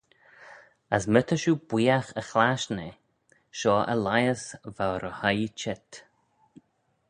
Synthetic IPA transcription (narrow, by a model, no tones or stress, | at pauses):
əsmət̪ʰəʃub̥wiːaxəxlaʃne | ʃɔːʔə̰lajəsvawɾəhajt͡ʃɛt̪